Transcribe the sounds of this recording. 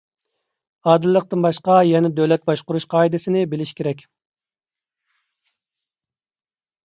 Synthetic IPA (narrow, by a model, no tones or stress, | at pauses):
ɑːd̪ɨlˠːəq̚t̪ɨnbɑʃqɑjɛnɛd̪øwlɛt̪̚bɑʃqʊɾuʃqʰɑːid̪ɪsɪnɪbɪlɪʃkʲʰeɾɛkʲ